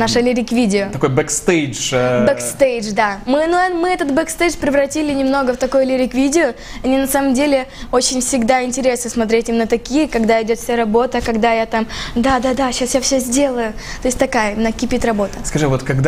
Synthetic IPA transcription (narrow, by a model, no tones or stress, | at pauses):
naʂɨlʲɪɾʲɪkvʲidʲɪot̪ɐko̞jbɛkst̪ejd͡ʒbɛkst̪ejʐd̪amɨnumɨɛt̪ət̪bɛkst̪ejʐpɾʲɪvɾɐtʲilʲɪnʲɪmno̞ɡəft̪ɐkojʊlʲɪɾʲɪkvʲidʲɪʊ | ɐnʲinɐsaməmdʲelʲɪo̞t͡ɕɪnʲfsʲɪɡd̪aɪnʲtʲɪɾʲe̞snəsmɐt̪ɾʲetʲimnət̪ɐkʲijəkɐɡd̪aɪdʲo̞t̪fsʲaɾɐbo̞t̪əkɐɡd̪ajat̪amd̪ad̪ad̪aɕasjafsʲɵzʲdʲe̞lˠəjʊ | t̪o̞sʲtʲt̪ɐkajənɐkʲɪpʲit̪rɐbo̞t̪ə̥skɐʐɨvo̞t̪kɐɡd̪